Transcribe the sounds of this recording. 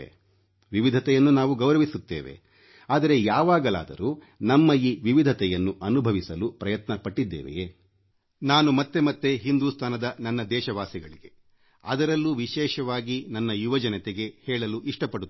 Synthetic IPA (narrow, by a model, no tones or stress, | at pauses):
ʋiʋid̪ʱɐt̪ɛjɐnːunaːʋuɡɐʋɾɐʋisut̪ːeːʋe̞̰ | aːd̪ɐɾe̞jaːʋaːɡɐla̰ːd̪ɐ̰ɾu | nɐmːɐjiːʋiʋid̪ʱɐt̪ɛjɐnːuʔɐnubʱɐʋisɐlupɾɐjɐt̪nɐpɐʈːid̪ːeːʋḛje | naːnumɐt̪ːe̞mɐt̪ːe̞ɦind̪uːst̪ʰaːnɐd̪ɐnɐnːɐd̪ɛːʃɐʋaːsiɡɐɭiɡe̞ | ɐ̰d̪ɐɾɐlːuʋiʃɛːʃɐʋaːɡinɐnːɐjuʋɐd͡ʒɐnɐt̪eɡe̞hɛːɭɐluʔiʂʈɐpɐɽut̪ː